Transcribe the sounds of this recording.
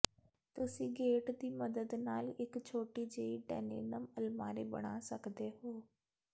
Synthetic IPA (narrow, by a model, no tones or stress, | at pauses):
t̪ʊsĩːɡeːʈd̪iːməd̪əd̪naːlɪkt͡ʃʰoːʈiːd͡ʒeiːɖɛ̰ːnḛːnəməlmaːɾeːbə̰ɽ̃aːsəkd̪eːɦoː